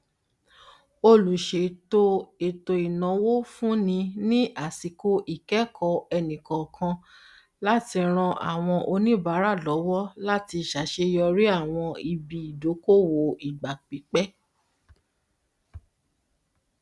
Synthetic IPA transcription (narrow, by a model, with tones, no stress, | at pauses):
o˧lu˨ʃe˨˦to˦e˨to˧i˨nã˨˧wo˦fũ˦nĩ˧nĩ˦ʔa˦˨si˨ko˦ʔi˦˨kɛ˦kʰɔ˧ɛ˧nĩ˨kɔ̃˨kʰã˧ | la˦ti˧ɾ̃ã˧ʔa̰˨w̃ɔ̃˧ʔo˧nĩ˦ba˨˦ɾa˦˨lɔ˨˦wɔ˦la˦ti˧˨ʃa˨˦ʃe˧jɔ˧ɾi˦a˦˨w̃ɔ̃˧i˧bi˨i˨do˨˦ko˦wo˨i˨ɡ͡ba˨k͡pi˨˦k͡pɛ˦